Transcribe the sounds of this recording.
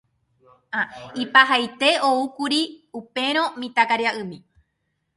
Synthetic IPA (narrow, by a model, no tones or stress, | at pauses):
aipaɦajt̪e̞oukuɾiupe̞ɾ̃õ̞mĩt̪akaɾjaʔɨmĩ